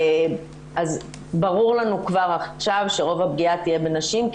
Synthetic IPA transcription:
az | baʁuʁlanukvaʁaχʃavʃeʁo̞vab̚ɡiat̪ije̞be̞naʃimk

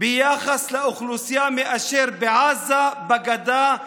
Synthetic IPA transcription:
bɪjaːxaslaʔʊxlusjaːmeʔaʃeɾbɪʕaːzabaɡad̪aː

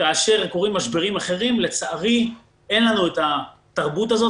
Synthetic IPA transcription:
kaːʃe̞ʁko̞ʁimːaʃbeʁimaχe̞ʁimle̞t͡saaʁi | e̞nlanueta | taʁbutazo̞

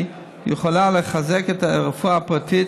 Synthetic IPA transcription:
jəχolaləχazɛkɛtaʁfuapati

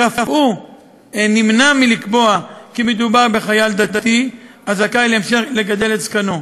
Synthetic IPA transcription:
afafʔu | enimnamilikbo̞akimed̪ubaʁbe̞χajald̪ad̪at̪i | azakajleemʃeχle̞ɡad̪e̞letskano̞

